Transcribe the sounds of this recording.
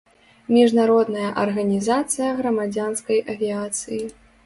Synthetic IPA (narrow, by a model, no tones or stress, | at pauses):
mʲiʐnaɾɔd̪nɐjɐʔɐrɣɐnʲizat̪sɨjɐɣɾɐmad͡zʲanskɐjʔɐvʲiat̪sɨji